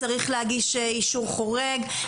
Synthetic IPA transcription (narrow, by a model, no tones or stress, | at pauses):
aʁiχlehaɡiʃeiʃuʁχoʁeɡ